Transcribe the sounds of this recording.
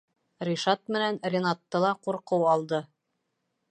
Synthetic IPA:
rʲiʃɑt̪̚mɘ̆nænrʲɪnat̪ːɤlˠɑquɾqɤwɑlˠd̪ɤ

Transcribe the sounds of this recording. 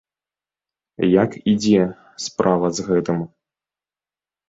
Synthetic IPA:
jakid͡zʲɛ | spɾʔavɐzɣɛt̪ɨm

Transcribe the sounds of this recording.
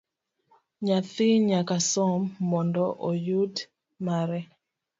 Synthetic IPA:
ɲaθiɲakasɔmːɔndɔʔɔjud | maɾɛ

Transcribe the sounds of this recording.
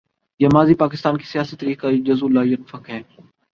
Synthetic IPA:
jaːmaːziːpaːkɪst̪aːnki̥sɪjaːsiːt̪əɾiːkaːid͡ʒəzuːlaːijənfəkɦɛ̃ː

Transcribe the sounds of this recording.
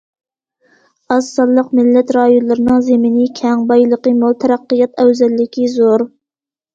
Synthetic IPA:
ɑsːɑlˠːəqmɪlːɛt̪ɾɑːjonlˠɨɾɨnɨŋzemɪnikʲʰɛŋbɑjlˠəqəmolˠt̪ʰɛɾæqːijɑt̪ɛwzɛlːɪkʲʰizoɾ

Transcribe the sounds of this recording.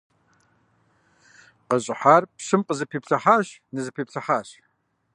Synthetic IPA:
qəɕʼɪħaːrpɕɨmqəzɨpʰiːpɬʰɐħaːɕnɨzɨpʰiːpɬʰɐħaːɕ

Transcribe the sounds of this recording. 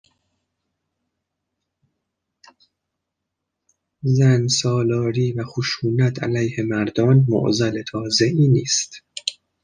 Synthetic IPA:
zænsɒːlɒːɾiːvæxoʃuːnæt̪ʰæ̰læjhe̞mæɾd̪ɒːnmo̰ʔzæle̞t̪ʰɒːzeʔiːniːst̪

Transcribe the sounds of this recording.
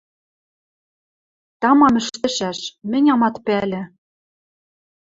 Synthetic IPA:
t̪ɑmɑmɘ̆ʃt̪ɘ̆ʃæʃmɘ̆nʲɑmɑt̪pælʲɘ̆

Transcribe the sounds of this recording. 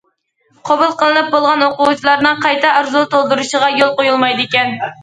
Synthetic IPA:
qʰobulˠqəlˠɨnɨp̚bolˠʁɑnwoqʊwut͡ʃʰilˠɑɾnɨŋqʰɑjt̪ɑɑɾzut̪ʰolˠd̪uɾuʃəʁɑjolˠqojulˠmɑjd̪ɨekʲɛn

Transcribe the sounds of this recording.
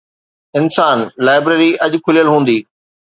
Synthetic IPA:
ɪnsaːnlaːɪbɾeːɾiʔɐʄʊkʰʊlijəlɦũːn̆d̪iː

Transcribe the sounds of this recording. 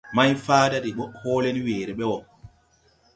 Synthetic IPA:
majfaːdaɗiɓɔhɔːlɛniweːɾɛɓɛwɔ

